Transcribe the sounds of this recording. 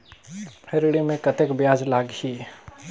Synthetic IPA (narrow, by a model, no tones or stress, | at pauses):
hʰeɾɽimẽkɐt̪ekbjaːd͡ʒlaːɡhiː